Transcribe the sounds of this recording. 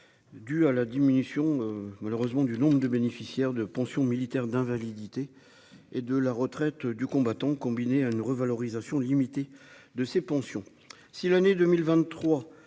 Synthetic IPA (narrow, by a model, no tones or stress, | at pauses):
d̪yalad̪iminysjɔ̃ømaløʁøzmɑ̃d̪ynɔ̃bʁəd̪əbenefisjɛʁd̪əpɑ̃sjɔ̃milit̪ɛʁd̪ɛ̃valid̪it̪e | ed̪əlaʁət̪χɛt̪d̪ykɔ̃bat̪ɑ̃kɔ̃bineaynʁəvalɔʁizasjɔ̃limit̪ed̪əsepɑ̃sjɔ̃ | silaned̪ømilvɛ̃χwa